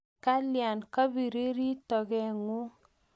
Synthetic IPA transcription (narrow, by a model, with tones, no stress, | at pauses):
ka˦lja˨nka˦bi˨ɾe˦ɾi˦tɔ˨kɛ˨ŋu˦